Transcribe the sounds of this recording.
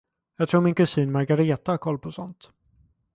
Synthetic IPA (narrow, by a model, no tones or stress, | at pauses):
jɑɡt̪ʰɾuːɾmɪnkɵsiːnmaɾɡaɾeːt̪ahaɾkʰɔlːpʰɔsɔnt̪